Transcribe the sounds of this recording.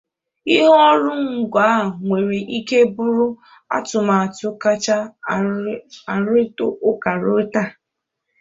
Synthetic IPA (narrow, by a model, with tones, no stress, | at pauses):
i˦ɦɔ˦ɾʊ˦ŋ̩˨ɡʷa˨˦˨ŋʷe˨ɾi˨ʔi˦ke˦bʊ˦ɾʊ˦ | a̰˦tʊ˨ma˨a˨tʊ˨ka˦t͡ʃa˦ | a˨ɾo˦tʊ˦ʔʊ˦ka˨ɾo˦ta˦˨